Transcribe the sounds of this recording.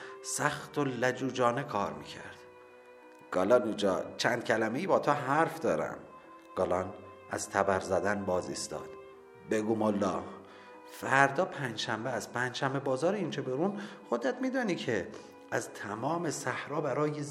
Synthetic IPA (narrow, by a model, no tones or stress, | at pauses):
sæxt̪ʰolæd͡ʒuːd͡ʒɒːnekʰɒːɾmḭːcʰæ̰ɾd̪̥ | ɡ̥ɒːlɒnuːd͡ʒɒːt͡ʃʰæːnd̪̥̚cʰælæmejiːbɒːt̪ʰoɦæɾfd̪ɒːɾæ̰m | ɡ̥ɒːlɒːn | æ̰z̥t̪ʰæbæɾzæd̪ænbɒːzḭːst̪ɒ̰ːd̪̥ | beɡuːmolːɒː | fæɾd̪ɒːpʰænd͡ʒʃæmbeæspʰænd͡ʒʃæmbebɒːzɒːɾeiːnt͡ʃʰebeɾunxod̪æt̪miːd̪ɒːniːcʰe | æzt̪ʰæmɒːmesæhɾɒːbæɾɒːje